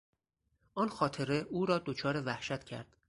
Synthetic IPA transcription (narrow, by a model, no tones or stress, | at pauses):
ʔɒːnxɒːt̪ʰe̞ɾe̞ʔuːɾɒːd̪ot͡ʃʰɒːɾe̞væhʃæt̪ʰcʰæ̰ɾd̪̥